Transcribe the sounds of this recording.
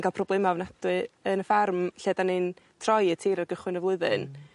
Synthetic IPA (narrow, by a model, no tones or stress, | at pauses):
nɡalˠpʰrɔblˠemavnadwɨənəfarmɬeːdanɨn | tʰrɔjətʰiːɾarɡəχwɨnəvlˠʊɨðɨ̰n